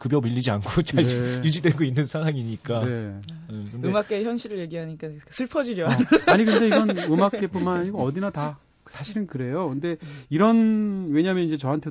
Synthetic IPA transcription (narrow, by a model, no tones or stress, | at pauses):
kɯbjʌmiʎːid͡ʑiankʰot͡ɕ͈naejud͡ʑidwe̞ɡoinːɯnsʰaŋɦwaŋiɲik͈ane̞ekɯndɯemakk͈eçjʌnɕʰiɾɯɭje̞ɡiɦaɲik͈akasʰɯɭpʰʌd͡ʑiɾjʌaɲikɯnde̞iɡʌnɯmakk͈e̞pomanɲiɡoʌdinata | sʰaɕʰiɾɯnkɯɾe̞jokɯnde̞iɾʌnwe̞ɲamjʌnind͡ʑet͡ɕʌɦantʰe